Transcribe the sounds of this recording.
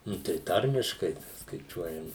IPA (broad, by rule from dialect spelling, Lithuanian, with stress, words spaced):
ˈnʊ tɐɪ ˈtɐrʲmʲɪʃkɐɪ skɐɪˈt͡ʃʲuɔjɛm